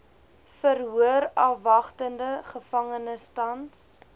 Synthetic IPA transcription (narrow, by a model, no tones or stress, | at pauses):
fərɦuəɾɐfvɐχtəndəχəfɐŋənəstɐns